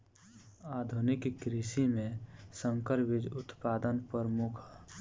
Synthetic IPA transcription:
aːd̪ʱunɪkkːɾisimẽsə̃ŋkəɾbid͡ʒʊt̪paːd̪ənpəɾmʊkʰː

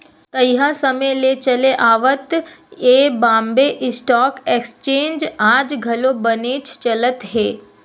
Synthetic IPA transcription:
t̪ɐjɦasɐməlet͡ʃɐleʔaːʋət̪eːbãːmbeʔɪsʈɔːkekst͡ʃeːnd͡ʒaːd͡ʒɡʱɐlobɐnet͡ʃʰt͡ʃɐlət̪ɦeː

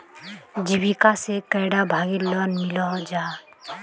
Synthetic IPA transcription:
d͡ʒibikasekəjɽabʱaːɡilɔnmɪlɔd͡ʒaː

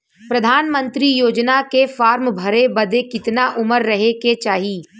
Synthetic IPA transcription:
pɾɐd̪ʱaːnmə̃nt̪ɾijoːd͡ʒnakefaːɾmbʱɐɾebɐd̪ekɪt̪naʔʊməɾːɐɦeket͡ʃaːɦiː

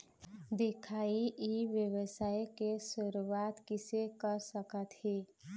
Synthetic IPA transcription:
d̪ɪkʰaiʔiʋjəwəsajkesuɾuwat̪kisekəɾsəkət̪ɦi

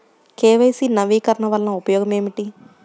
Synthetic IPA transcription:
keːʋɐjsinɐʋiːkɐɾɐɳɐʋɐlɐnɐupɐjɔːɡɐme̞ːmiʈi

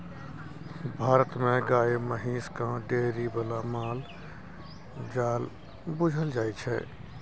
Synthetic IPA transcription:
bʱaːɾət̪meɡaːeməɦiːskãɖeɾibəlamal | d͡ʒaːl | bud͡ʒʱəld͡ʒajt͡ʃʰɛ̰

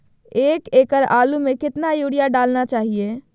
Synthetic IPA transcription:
ekekəɾalumekɪt̪najoɽijaɖalnat͡ʃaɦije

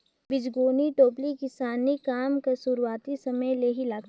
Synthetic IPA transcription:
bɪd͡ʒɡoːniʈoːplikɪsaːnikaːmkasʊɾuwaːt̪isɐməjleːɦilaːɡ

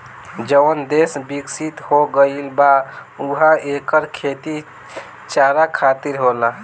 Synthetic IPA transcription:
d͡ʒəwənd̪esbiksit̪hoɡəilbauɦãekəɾkʰet̪i | t͡ʃaɾakʰat̪iɾɦola

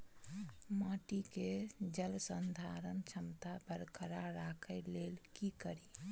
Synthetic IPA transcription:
maʈiked͡ʒəlsənd̪ʱaɾənt͡ʃʰəmt̪abəɾkəɾaɾakʰəɪlelkikəɾi

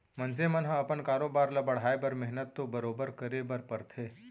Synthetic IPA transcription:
mɐ̃nsemɐnɦɐ̃ɐpənkaːɾoːbaːɾlɐbɐɽ̤aːebɐɾmɛɦnət̪ːobɐɾoːbəɾkəɾebɐɾpɐɾt̪ʰeː

